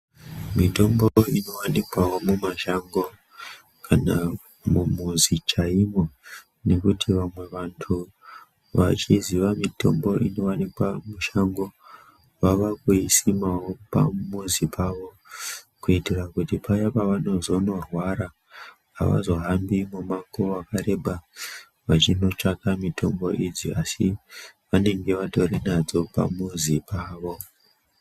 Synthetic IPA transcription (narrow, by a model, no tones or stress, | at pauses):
mito̞mboino̞wanikwawo̞mumaʃaŋɡo̞ | kʰana | mumuzit͡ʃaimo̞ | ne̞kutʰiʋamwe̞ʋantʰu | ʋa̰t͡ʃiziʋamito̞̰mbo̞ʔino̞ʋanikwamuʃaŋɡo̞ | ʋaʋakuisimawo̞pa̰muzipʰaʋo̞ | kuitirakutipajapaʋano̞zo̞no̞rwaɾa̰ː | ʋa̰zo̞ɦambimumakoakaɾe̞bʱa | ʋat͡ʃino̞t͡ʂakamitʰo̞mbo̞ʔid͡ziasiʋane̞ŋɡe̞ʋato̞renad͡zo̞pa̰muzipʰaːʋo̞